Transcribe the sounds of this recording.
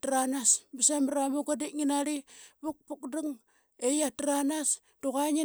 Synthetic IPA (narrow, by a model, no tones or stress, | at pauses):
tranasbisamɾamuɡadiŋinaɾibuk̚pukduŋ | ejatranas | d̥uɣaŋi